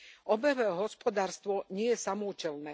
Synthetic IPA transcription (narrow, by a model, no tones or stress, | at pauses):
ɔbɛʋɛɦɔspɔd̪aːɾst̪ʋɔɲɪɛjɛsamɔːcɛlnɛː